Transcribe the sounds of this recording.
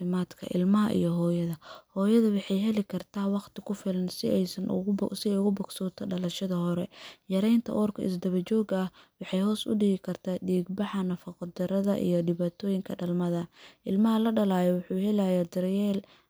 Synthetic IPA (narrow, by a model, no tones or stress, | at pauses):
ɪmaːd̪kʰɐ̰ʔɪ̰lmɐɦɐʔḭjɞɦɔːjɐðɐhɔːjɐðɐwɑħɑjɦɛlɪkʰɐrt̪ʰaːwɑqt̪ʰɪkʰʊfɪlɐnsɪɛjsɐnsɪɛjʊɣʊbʊɡsɔːt̪ʰɐɖɐlɐʃɐðɐhɔɾɛjɐɾɛjnt̪ʰɐ̰ʔɔːrkʰɐ̰ɪ̰s̬d̪ɐβɐt͡ʃɔːɡɐhwɑħɑjhɔːsʊ̰ɖɪɣɪkʰɐrt̪ʰaːɖiːɡbɑħɐnɐfɑqɔd̪ɐɾɐðɐ̰ʔḭjɞɖɪβaːt̪ʰɔːjɪŋkʰɐɖɐlmɐðɐʔɪlmɐɦɐlɐɖɐlaːjɔwʊħuːhɛlɐjad̪ɪrjɛːl